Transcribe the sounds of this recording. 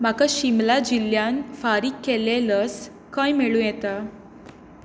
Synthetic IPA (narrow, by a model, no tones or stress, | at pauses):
m̤akaɕimlad͡ʑilːjanfaɾikːeleləs | kãjmeɭũjɛt̪a